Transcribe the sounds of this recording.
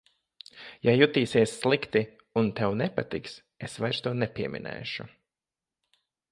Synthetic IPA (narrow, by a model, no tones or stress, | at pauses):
jajut̪iːsiɛsːlˠikt̪i | unt̪ɛwnɛpat̪iks | esvajɾst̪uɔnɛpiɛmʔḭnɛ̰ːʃṵ